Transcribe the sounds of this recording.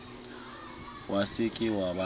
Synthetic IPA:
wasɪkʼɪwaba

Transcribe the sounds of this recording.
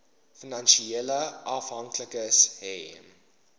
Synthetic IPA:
finɐnʃieləʔɐfɦɐŋkləkəshɛm

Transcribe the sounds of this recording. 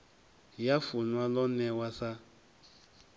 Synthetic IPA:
jafunwalɔnɛwasa

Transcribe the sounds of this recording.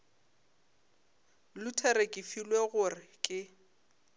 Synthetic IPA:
lʊtʰeɾekʼifilweɣʊrɪkʼɪ

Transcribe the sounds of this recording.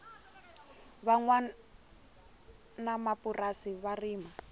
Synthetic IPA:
βaŋwa | namapurasiβariːma

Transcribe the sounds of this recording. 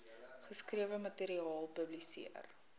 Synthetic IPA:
χəskriəvəmɐteɾiɑːlˠpəblisḭər

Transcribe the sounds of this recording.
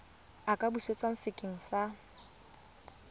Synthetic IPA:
akʼabuset͡sʼwaŋ̩sɪkʼɪŋ̩sa

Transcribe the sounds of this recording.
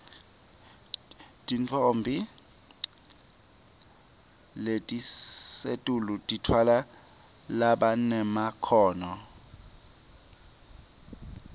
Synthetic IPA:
tʼint͡fʰʼombʱi | letʼisetʼulutʼitʰwala | laɓanɛmakʰɔːnɔ

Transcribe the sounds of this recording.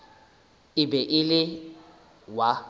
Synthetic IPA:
ɪbɛʔɪlɪ | wa

